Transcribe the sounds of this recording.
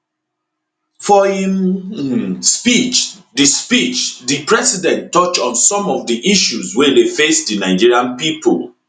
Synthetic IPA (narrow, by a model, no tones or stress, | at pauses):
fɔhĩm | spit͡ʃdispit͡ʃdipɹɛsidɛ̃nttːɔt͡ʃɔ̃nsɔ̃mɔvdiʔiʃuzwedefesdinaɪd͡ʒiɹiãnpipo̰l